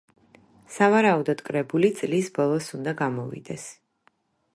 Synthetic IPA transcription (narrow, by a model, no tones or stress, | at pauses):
savaɾaud̪ɔd̪kʼɾɛbulit̪sʼlisbɔlˠɔsund̪aɡamɔvḭd̪ɛs